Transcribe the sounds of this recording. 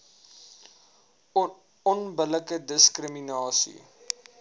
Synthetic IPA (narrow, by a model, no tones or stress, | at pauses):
ɔnbələkədəskrəminɑːsḭ